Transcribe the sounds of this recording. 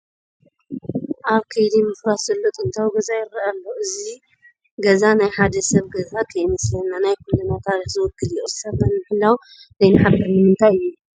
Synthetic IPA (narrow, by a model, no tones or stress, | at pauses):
ʔaβkʰɐjd̪imɨfɾat̪z̥ɐlːot̪ʼɨnt̪ʰawɡɐzajɪɾːɐʔalːoɨzi | ɡɐzanajħad̪ɐsɐβɡɐzakʰɐjmɐslɐnːanajkʰulɨnat̪ʰaɾixzɨwɔkːɨliʔozsɐβnanmɨħɨlːaw | zɐjnaħabɐɾnɨmɨnt̪ʰajɨjːu